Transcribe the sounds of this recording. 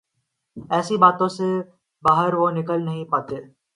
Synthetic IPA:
ɛːsibaːt̪õse | baːɦəɾʋonɪkəlnɐɦĩpaːt̪eː

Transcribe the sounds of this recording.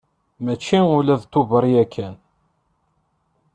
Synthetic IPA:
mæt͡ʃːiʊlæðt̪ːuvəɾˤjækʰːæn

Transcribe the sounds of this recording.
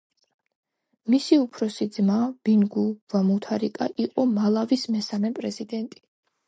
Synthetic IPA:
misiupʰɾɔsid̪zmab̥inɡuvamut̪ʰaɾikʼaʔiqʼɔmalˠavismɛsamɛpʼɾɛzid̪ɛnt̪ʼi̥

